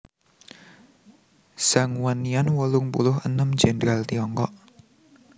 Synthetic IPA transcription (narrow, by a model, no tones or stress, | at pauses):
saŋwanianwəlʊŋpṵlʊhə̰nəm̥d͡ʒ̥ɛnɾalt̪iɔŋkɔ̰ʔ